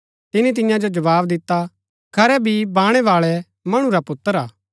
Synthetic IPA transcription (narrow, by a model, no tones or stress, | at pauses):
t̪ɪnit̪ɪjãd͡ʒod͡ʒɐʋaːbd̪ɪt̪ːa | kʰɐɾɛbʱibãːɽ̃ɛʋaːɭɛ | mɐɽ̃ũɾapʊt̪ːəɾaː